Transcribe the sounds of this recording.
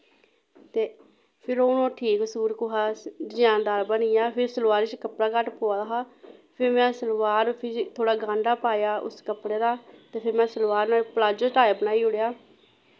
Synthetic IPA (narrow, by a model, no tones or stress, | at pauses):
t̪eː | pʰɪɾoːnõːʈʰiːksuːɾkʊɦaːd̪d͡ʒãːnd̪aːɾbənijaːpʰɪɾsəlʋaːɾiːt͡ʃkəpɽaːkəʈpoːaːd̪aɦaːpʰɪɾmɛ̃ːsəlʋaːɾpʰɪt̪ʰoːɽaːɡãːɳɖaːpaːjaːʔʊ̰skəpɽeːɾaːt̪eːpʰɪɾmɛ̃ːsəlʋaːɾnaːlːplaːd͡ʒəʈaːjːbənaːiːʊɽejaː